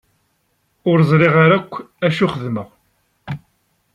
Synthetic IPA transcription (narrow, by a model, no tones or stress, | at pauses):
ʊɾzˤɾɪʁaɾækʷː | æʃuχəðməʁ